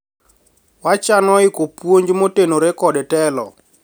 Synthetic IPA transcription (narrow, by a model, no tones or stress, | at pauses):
wat͡ʃanɔɪkopwoɲd͡ʒmotenoɾekɔdɛtɛlɔ̰